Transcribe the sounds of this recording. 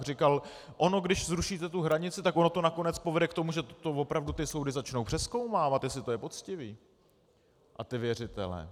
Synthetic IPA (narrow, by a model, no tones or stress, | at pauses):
r̝ɪkal | ʔo̞no̞ɡdɪʃzɾuʃiːt̪ɛt̪uɦɾaɲɪt͡sɪt̪akʔo̞no̞t̪o̞nako̞nɛt͡spo̞vɛdɛkt̪o̞muʒɛt̪o̞vo̞pɾavdut̪ɪsowdɪzat͡ʃno̞wpr̥ɛsko̞wmaːvat̪jɛslɪt̪ojɛpo̞t͡scɪviː | ʔat̪ɪvjɛrɪt̪ɛ̰lɛ̰ː